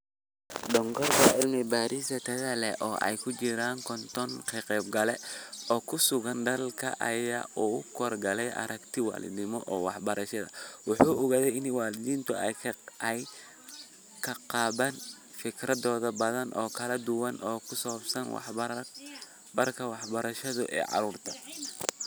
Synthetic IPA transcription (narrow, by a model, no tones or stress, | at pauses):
ɖɔŋkʰɔrk̪ʰɐɪlnɪbaːɾʔiːsɐt̪ʰɐðɐlɛ̰ʔɔːʔɛ̰jkʰʊt͡ʃɪɾaːŋkʰɔnt̪ʰɔnkʰɛqɛːbɡɐlɛɔːkʰʊsʊɣɐnɖɐlkʰɐ̰ʔɐ̰ja̰ːʔuʊkʰɔrɡɐlɛjʔɐ̰ɾɐkt̪ʰɪwa̰ːlɪ̰d̪nɪmɔʔɔːwɑ̰ħbɐɾɐʃɐðɐ̰wʊħuːʔɔɣaðɛjɪnwaːlɪðiːnt̪ʰʊʔɛj | kʰɐqɑːβaːn | fɪkʰrɐðɔːðɐbɐðɐnʔɔ̰ːkʰɐlɐd̪ʊwɐnʔɔːkʰʊsɔbsɐnw̰ | bɐrkʰɐwɑħbɐɾɐʃɐðʊ̰ʔɛ̰ːʕɑ̰ɾuːrt̪ʰɐ̥